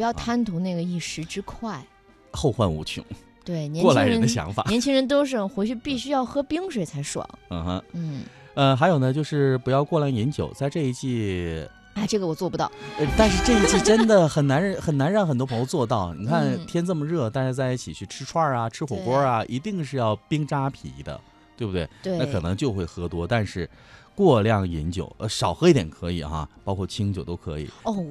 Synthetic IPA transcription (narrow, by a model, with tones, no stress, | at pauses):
pjɑ˥˩ʊt̪ʰa˥nt̪ʰʊ˧˥ŋna˥˩ɡə˩i˥˩ʂɻ̩˧˥ʈ͡ʂɻ̩˥kʰwa˥˩ɪ | xo˥˧ʊxwa˥˩nṵ˧˥t͡ɕʰy̰˧˥˦ŋ | t̪we˥˩ɪnjɛ˧˥nwɔ˥˩la˧˥ɻŋɻə˧nd̪ə˧ɕjɑ̰˧˥ŋfa̰˨˩ɛ˧˥nt͡ɕʰi˥ŋɻə˧˥nt̪o˥ʊʂ̬ɻ̩˥˩xwe˧˥ɪt͡ɕʰy˥˧pi˥˩ɕy˥jɑ˥˩ʊxɤ˥pi˥ŋʂwe˨˩ɪt͡sʰa˧˥ɪʂwɑ̰˨˩˦ŋ̩˥˩xə̰˧˥n̩˥˩ | ə˧xa˧˥ɪjo˨˩ʊnə˦t͡ɕjo˥˧ʊʂɻ̩˥˩pu˧˥jɑ˥˧ʊkwɔ˥˩la˥˩ŋi˧˥nt͡ɕjo̰˨˩˦ʊt͡sa˥˧ɪʈ͡ʂɤ˥˧i˥˧t͡ɕʰi˥˩ | a˥˩ɪʈ͡ʂɤ˥˩ɡə˩wɔ˨˩t͡swɔ˥˩pu˧˥t̪ɑ˥˩ʊə˧t̪a˥˧nʂɻ̩˥˧ʈ͡ʂɤ˥˧i˥t͡ɕʰi˥˩ʈ͡ʂʈ͡ʂə˥nd̪ə˨xə˨˩nna˧˥nxə˨˩nna˧˥nɻɑ˥˩ŋxə˨˩nt̪wpʰɤ˧˥ŋjo˧ʊt͡swɔ˥˧t̪ɑ˥˩ʊni˨˩kʰa˥˩nt̪ʰjɛ˥nt͡sɤ˥˩mə˩ɻɤ˥˩t̪a˥˧nʂɻ̩˥˧t͡sa˥˧ɪi˥˩t͡ɕʰi˨˩t͡ɕʰy˥˩ʈ͡ʂʰɻ̩˥ʈ͡ʂʰwa˥˧˩ɐ˩ʈ͡ʂʰɻ̩˥xwɔ˨˩kwɔ˥ɐ˧ʔi˧˥t̪i˥˧ŋʂ̬ɻ̩˥˧jɑ˥˩ʊpi˥ŋʈ͡ʂa˥pʰḭ˧˥d̪ə̰˧ | t̪we˥˩bu˩t̪we˥˩ɪw̪a˥˩kʰɤ˨˩nɤ˧˥ŋt͡ɕjo˥˧ʊxwe˥˩ɪxɤ˧˥t̪wɔ˥t̪a˥˧nʂɻ̩˥˧ | kwɔ˥˧ljɑ˥˩ŋi˧˥nt͡ɕjo̰˨˩˦ʊə˧˩ʂɑ˨˩ʊxɤ˧˥i˥˩t̪jɛ˨˩nkʰɤ˧˥ḭ˨˩xa̰˧pɑ˥kʰwɔ˥˩t͡ɕʰi˥ŋt͡ɕjo˨˩ʊt̪o˥ʊkʰɤ̰˧˥ḭ˨˩˦